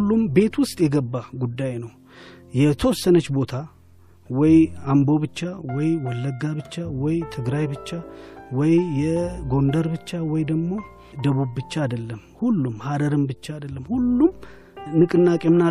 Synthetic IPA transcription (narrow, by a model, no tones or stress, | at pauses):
lːumbe̞t̪wʊst̪ʼjɛɡəbːaɡud̪ːajnəw | jɛt̪ʰəwɔsːənət͡ʃːbo̞t̪ʰa | wɔjambo̞βɨt͡ʃːawɔjwɔlːəɡːabɨt͡ʃːawɔjt̪ʰɨɡɾajbɨt͡ʃːawɔjjɛɡo̞nd̪əɾbɨt͡ʃːawɔjd̪əɡmːo̞ | d̪əβubbɨt͡ʃːaːd̪əlːəm | hulːumhad̪əɾɨmbɨt͡ʃːaːd̪əlːəmhulːum | nɨkʼɨnːakʼjɛmːɨna